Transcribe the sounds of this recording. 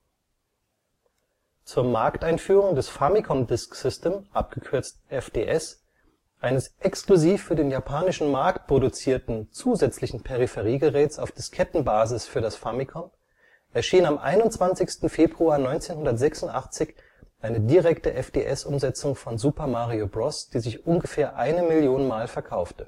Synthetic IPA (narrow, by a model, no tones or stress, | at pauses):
t͡suːɐmaɐktaɪnfyːʁʊŋdɛsfamikʰɔndɪsksɪsteːmʔap̚ɡ̥əkʰʏɐt͡st̩ʔɛfd̥ḛːʔɛs | ʔaɪnəsʔɛkskluziːfːyːɐdeːnjapʰaːnɪʃn̩maɐkt̚pʁ̥odut͡siːɐtn̩t͡suːzɛt͡slɪçn̩pʰeʁ̞ifɛʁiːɡəʁɛːtt͡saʊfd̥ɪskʰɛtn̩baːzɪsfyːɐdasfamikʰɔn | ʔɛɐʃiːnamʔa̰ɪnʊntt͡sv̥ant͡sɪçstn̩feːbʁuaːnɔʏnt͡seːnhʊndɐtz̥ɛksʊntʔa̰χt͡sɪç | ʔaɪnədiʁɛktəʔɛfd̥ḛːʔɛsʔʊmzɛt͡sʊŋfɔnzuːpɐmaʁiobʁɔsd̥iːzɪçʔʊnɡəfeːɐʔaɪnəmɪljoːnənmaːlfɛɐkʰaʊftə